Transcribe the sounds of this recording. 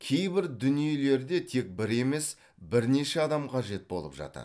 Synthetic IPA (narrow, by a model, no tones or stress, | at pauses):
kʲʰe̞jbɪɾd̪ʏnije̞le̞ɾd̪e̞t̪ʰe̞k̚bɪɾe̞me̞s | bɪɾne̞ʃe̞ɑd̪ɑmqʰɑʒe̞t̪̚bo̞lˠə̰pʒɑ̰t̪ə̰ɾ